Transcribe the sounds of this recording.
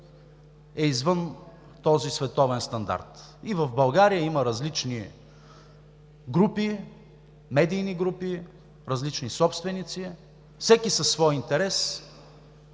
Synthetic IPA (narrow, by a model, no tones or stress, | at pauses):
ɛizvɤn | t̪ɔzisvɛt̪ɔvɛnst̪ɐnd̪a̰ɾt̪ | ivɐvbɐlˠɡaɾijəiməɾɐzlit͡ʃni | ɡɾupi | mɛd̪ijniɡɾupi | ɾɐzlit͡ʃnisɔpst̪vɛnit̪si | fsɛkisɐsːvɔjint̪ɛɾɛs